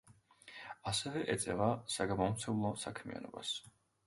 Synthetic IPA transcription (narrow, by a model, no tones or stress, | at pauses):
asɛvɛʔɛt̪sʼɛvasaɡamɔmt̪sʰɛlˠɔsakʰmia̰nɔ̰ba̰s